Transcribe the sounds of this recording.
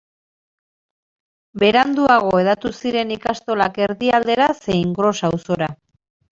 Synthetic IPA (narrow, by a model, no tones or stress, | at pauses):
be̞ɾand̪uaɣ̞o̞e̞ðat̪usiɾe̞nikast̪o̞lake̞ɾðiald̪e̞ɾase̞jiŋɡɾo̞sawso̞ɾa